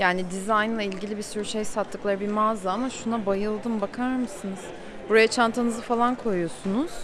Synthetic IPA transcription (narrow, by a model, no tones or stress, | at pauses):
jaːnid̪izajnlˠailʲɟilʲibisyɾyʃe̞jsat̪ʰːɯklˠaɾɯbimaːzaamaʃunabajɯlˠd̪ɯmbakʰaɾmɯsɯnɯz̥ | buɾajat͡ʃʰant̪ʰanɯzɯfalˠankʰo̞jujo̞sunuz̥